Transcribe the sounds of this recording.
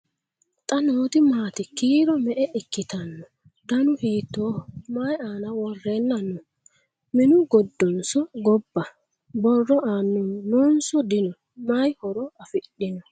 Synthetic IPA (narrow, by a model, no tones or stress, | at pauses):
t̪ʼɐnoːt̪ɪmaːt̪ɪkiːɾɔmɛʔɛʔɪkːɪt̪ɐnːɔ | d̪ɐnʊhiːt̪ːoːmaːjaːnɐwɔrːeːnːɐnɔ | mɪnʊɡɔd̪ːɔnsɔɡɔbːɐ | bɔrːɔaːnːʊmnunsɔd̪ɪnɔ | majhɔɾɔɐfɪɗɪnɔ